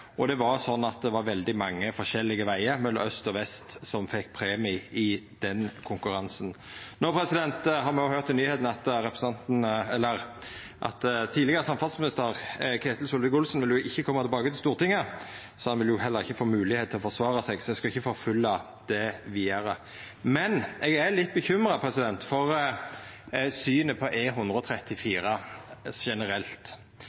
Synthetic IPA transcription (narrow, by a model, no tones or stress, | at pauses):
ʔɔd̪ɛʋɑɾsɔnːɑt̪̚d̪ɛʋɑɾʋɛld̪ɪmɑŋːəfɔʂɛlːɪɡəʋæɪəɾmɛlːɔ̰mœst̪ɔʋɛst̪sɔmfɛkːpʰʁeːmɪɪd̪ɛnkʰʊŋkʉɾɑnsn | noːpʰɾɛsɪd̪ɛnt̪ɦɑɾmɛɔhøːɾt̪ːɪyːheːt̪n̩ɑt̪ɾɛpɾəsn̩ɑnt̪nɛlːəʁ | ʔɑ̰t̪t̪ʰiːlɪɡəɾəsɑmfɑlsmɪnɪst̪əʁkʰeːt̪l̩sʊlʋɪkʊlsnʋɪljʊʔɪçːəkʰɔmːɑt̪ʰɛbɑːkət̪ɪst̪uːʁt̪ʰɪŋːə | sɔhɑnʋɪljʊɦɛlːəɾɪçːəfoːmʉːlɪheːt̪ʰːɪlɔfɔʁsʋɑːɾɑsɛɡsɔɛskɑɪçːəfoːfʉlːɑ | d̪̥ɛʋiːəɾə | mɛnɛɡælɪt̪ːbəçʏmɾɑpʰɾɛsɪd̪ɛnt̪fɔʁ | syːnəpʰɔʔeːɦʊnd̪ɾəɔt̪ʰɾɛt̪ːɪfiːɾəʃɛnəɾɛlt̪